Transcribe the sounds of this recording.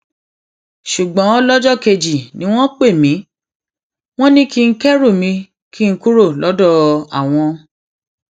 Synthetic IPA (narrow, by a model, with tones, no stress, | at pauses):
ʃu˨ɡ͡bɔ̃˨˦lɔ˦d͡ʒɔ˦˨ke˧d͡ʒi˨nĩ˦w̃ɔ̃˦k͡pe˦˨mĩ˨˦ | w̃ɔ̃˦nĩ˦ki˦ŋ̩˦kɛ˦ɾu˦˨mĩ˧ | ki˦ŋ̩˦ku˦ɾo˦˨lɔ˨˦dɔ˦˨a̰˨w̃ɔ̃˧